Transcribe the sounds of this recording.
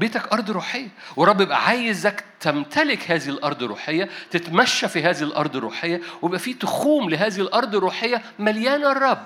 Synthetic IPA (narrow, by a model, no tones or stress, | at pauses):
beːt̪ækʔɑɾˤd̪ˤɾuːħejːæwɑrˤɾˤːɑbːjebʔæ̰ʕaːjezækt̪æmt̪ælɪkhæːzihilʔɑɾˤd̪ˤɾːuːħejːæt̪et̪mæʃːæfiɦæːzihilʔɑ̰ɾˤd̪ˤerːṵːħejːæwejebʔæfiːt̪ʊxuːmleɦæːzihilʔɑɾˤd̪ˤerːuːħejːæ | mæljæːnerˤːɑb